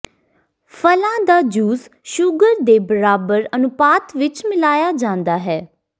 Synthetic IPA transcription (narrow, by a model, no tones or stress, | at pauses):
fʰəlãːd̪aːd͡ʒuːz | ʃʊɡəɾd̪eːbəɾaːbəɾənʊpaːt̪ʋɪt͡ʃmɪlaːjaːd͡ʒãːnd̪aːɦɛː